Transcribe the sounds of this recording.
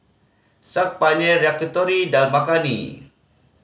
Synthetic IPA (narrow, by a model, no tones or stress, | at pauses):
sak̚paɲeɾeakut̪ɔɾidalmakanḭ